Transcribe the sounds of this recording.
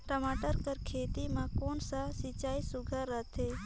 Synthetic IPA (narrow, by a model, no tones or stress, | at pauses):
ʈəmaːʈəɾkəɾkʰeːt̪imãkoːnsasit͡ʃaːisʊɡʱəɾət̪ʰeː